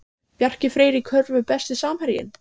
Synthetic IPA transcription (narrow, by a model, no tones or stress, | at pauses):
pjar̥cɪfɾeːjɾɪkʰœɾvʏpɛst̪ɪsaːmhɛɾjɪ̰n